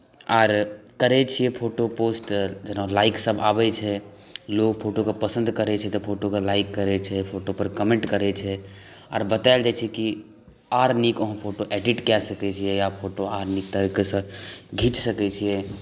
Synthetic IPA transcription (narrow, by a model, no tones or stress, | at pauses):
aːɾkəɾɛt͡ʃʰijɛpʰoʈoposʈd͡ʒənalaiksəbʱabɛt͡ʃʰɛ | lokpʰoʈokepəsə̃nd̪ʱkəɾɛt͡ʃʰɛt̪ɔpʰoʈokelaikːəɾɛt͡ʃʰɛpʰoʈopəɾkəmẽɳʈkəɾɛt͡ʃʰɛ | a̰ːɾbət̪aɪld͡ʒat͡ʃʰɛki | aɾnikəɦə̃pʰoʈoʔɛɖiʈkɛsəkɛt͡ʃʰijɛjapʰoʈoaɾnik̚t̪əɾikesə̃ɡʱit͡ʃsəkɛt͡ʃʰijɛ